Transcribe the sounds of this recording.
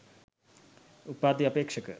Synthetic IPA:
upːaːd̪iɐpeːkʂəkə̰

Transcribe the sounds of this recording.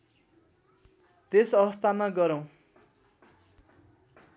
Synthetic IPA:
t̪esʌβʌst̪ʰamaɡʌɾʌw̃

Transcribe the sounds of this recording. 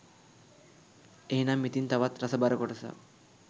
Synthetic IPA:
eɦinamːit̪int̪aʋat̪ɾɐsabaɾəkɔʈəsa̰

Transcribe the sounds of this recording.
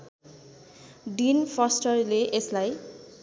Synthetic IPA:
ɖinfʰɔsʈʌɹleʔeslaj

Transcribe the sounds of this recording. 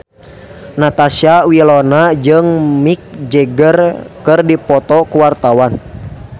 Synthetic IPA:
nat̪asiawilɔnad͡ʒɨŋmik̚d͡ʒɛɡərkɨrdipɔt̪ɔkuwart̪awan

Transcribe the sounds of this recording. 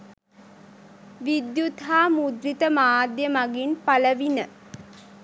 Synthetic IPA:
ʋid̪jut̪ɦaːmud̪rit̪əmaːd̪jəmaɡinpaləʋinə

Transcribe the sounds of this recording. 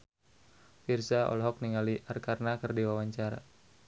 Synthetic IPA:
firsaɔ̰lɔɦɔk̚niŋaliʔarkarnakɨrdiwawaɲt͡ʃaɾa̰

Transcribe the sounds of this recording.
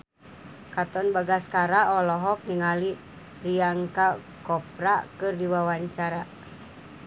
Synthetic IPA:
kat̪ɔnbaɡaskaɾaʔɔlɔɦɔk̚niŋali | priaŋka | kɔpɾakɨrdiwawaɲt͡ʃaɾa

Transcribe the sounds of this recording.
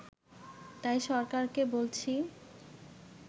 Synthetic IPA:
t̪ajʃɔɾkaɾkebolt͡ɕʰi

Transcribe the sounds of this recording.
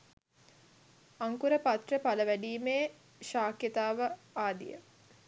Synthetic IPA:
aŋkuɾəpat̪rəpaləʋæɖiːmeː | ʃaːkjət̪aːʋə | aːd̪ḭjə̰

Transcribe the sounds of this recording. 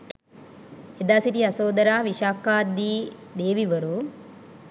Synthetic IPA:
ed̪aːsiʈiɐsoːd̪ɐɾaːʋiʃaːkaːd̪ːiː | d̪eːʋiʋəɾu

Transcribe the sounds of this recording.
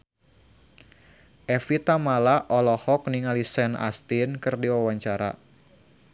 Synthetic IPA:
ʔɛfit̪amalaʔɔlɔhɔk̚niŋalisɛna̰st̪inkɨrdiwawaɲt͡ʃaɾa̰

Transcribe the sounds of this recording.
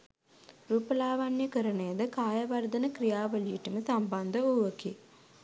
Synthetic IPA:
ɾuːpəlaːʋanjəkəɾənejəd̪əkaːjɐʋɐrd̪ɐnəkɾijaːʋəlijiʈuməsamband̪əuʋəki

